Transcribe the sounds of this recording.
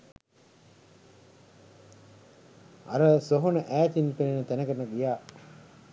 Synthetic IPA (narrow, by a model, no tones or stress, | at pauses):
a̰ɾəsoɦonəʔæːt̪inpeninət̪ænəkənəɡijaː